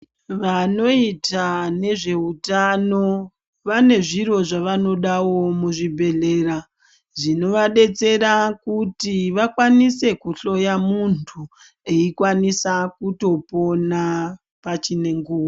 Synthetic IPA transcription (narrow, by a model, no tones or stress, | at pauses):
ʋano̞itane̞ʐe̞utano̞ | ʋane̞ʐiro̞ʐaʋano̞ɗawo̞muʐibʱe̞ɮe̞ːɾa | ʐino̞ʋaɗe̞t͡se̞ɾakutiʋakwanise̞kuɬo̞jamuntʰu | e̞ikwanisakuto̞po̞na | pat͡ʃine̞ŋɡuːwo